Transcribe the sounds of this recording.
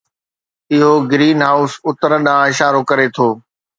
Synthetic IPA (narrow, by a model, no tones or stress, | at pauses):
ɪɦoɡɾiːnɦaːʊsʊt̪əɾəɗãːɪʃaːɾokɐɾet̪ʰoː